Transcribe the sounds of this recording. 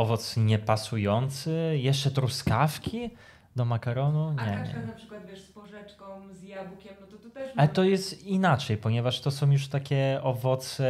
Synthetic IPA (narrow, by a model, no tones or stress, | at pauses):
ɔvɔt̪sɲɛpasujɔnt̪sɘjɛʂt͡ʂɛt̪ɾuskafkʲi | d̪ɔmakaɾɔnuɲɛɲɛ̰napʂɨ̥kwad̪vʲɛʂspɔʐɛt͡ʂkɔ̃mzjavukʲɛmnɔt̪ɔt̪ɔt̪ɛalɛt̪ɔjɛst̪inat͡ʂɛjpɔɲɛvaʂt̪ɔsɔ̃w̃juʂt̪akʲɛɔvɔt̪sɛ